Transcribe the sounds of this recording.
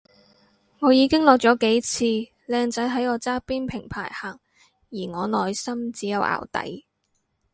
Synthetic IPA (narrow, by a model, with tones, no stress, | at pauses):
ŋɔː˨˧jiː˨˧kɪ˥ŋlɔː˨k̚t͡ʃɔː˨˥ke˨˥jt͡sʰiː˧ | lɛː˧ŋt͡sɐ˨˥jɦɐ˨˥jɔː˨˧t͡saː˥piː˥npʰɪ˨˩ŋpʰaː˨˩jhaː˨˩ŋ | jiː˨˩ŋɔː˨˧nɔː˨jsɐ˥mt͡siː˨˥jɐ˨˧wʔa̰ː˨˩wt̪ɐ̰˨˥j